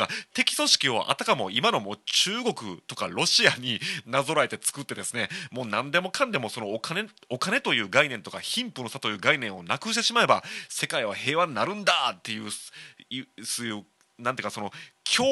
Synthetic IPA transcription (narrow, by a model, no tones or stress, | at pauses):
at̪e̞kʲi̥so̞ɕi̥kʲio̞̰ʔa̰t̪akamo̞̰imano̞mo̞ːt͡ɕɨːɡo̞kɯ̟̰t̪o̞kaɾo̞ɕiaɲ̟inazo̞ɾaet̪e̞t͡sɨ̥kɯ̟t̪ːe̞d̪e̞sɨne̞mo̞ːnãnd̪e̞mo̞kʰãnd̪e̞mo̞so̞no̞kaneo̞kane̞t̪o̞jɯ̟ːɡainẽ̞nt̪o̞kaçĩmpɯ̟no̞sat̪o̞jɯ̟ːɡainẽ̞ɰ̃o̞nakɯ̟ɕ̬it̪e̞ɕimae̞base̞kaiβ̞ahe̞ːβaɲ̟inaɾɯ̟̃nd̪at̪ːe̞jɯ̟ː | sojɯː | nãnt̪ekaso̞nokʲʰoː